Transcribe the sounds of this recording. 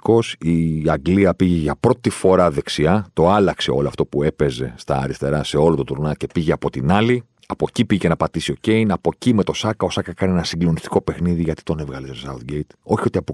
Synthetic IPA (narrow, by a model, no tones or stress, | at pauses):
ko̞siɐɡliɐpiʝe̞ʝɐpɾo̞t̪ifo̞ɾɐðe̞ksiɐt̪o̞ɐlɐkse̞o̞loɐft̪o̞pue̞pe̞ze̞̰st̪ɐ̰ːɾist̪e̞ɾɐse̞o̞lot̪ot̪uɾnɐce̞piʝeɐpo̞t̪inɐli | ɐpo̞cipiʝecenɐpɐt̪isio̞ce̞inɐpo̞cime̞t̪o̞sɐkɐo̞sɐkɐkɐnie̞nɐsiɡlo̞nist̪i̥ko̞pe̞xniðiʝɐt̪i̥t̪o̞ne̞vɣɐlit̪osɐuθɟejt̪o̞çio̞t̪iɐpo